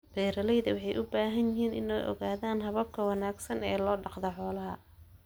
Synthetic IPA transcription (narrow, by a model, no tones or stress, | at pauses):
b̥ɛːɾɐlɛjðɐwɑħɑjʔʊbaːɦɐnjɪɦiːnɪ̰nɛjʔɔ̰ɣaːðaːnɦɐβɐb̚kʰɐwɑnaːɡsɐnɛːlɔːɖɑqd̪ɔħɔːlɐɦɐ̰